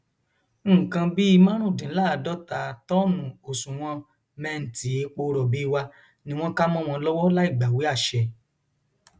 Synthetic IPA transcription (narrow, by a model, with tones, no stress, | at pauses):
kã˧bi˦i˧mã˦ɾ̃ũ˦˨dĩ˨˦la˦˧˨dɔ˦ta˨tɔ˦mũ˨o˨sũ˨w̃ɔ̃˧ | mɛ̃˧n̩˨ti˨˦e˨˧k͡po˧˦˧ɾɔ˨bi˨˦˧wa˧ | nĩ˧w̃ɔ̃˦ka˦mɔ̃˦˧w̃ɔ̃˧lɔ˦wɔ˦la˦i˦˨ɡ͡ba˨we˨˦a˦˨ʃɛ˧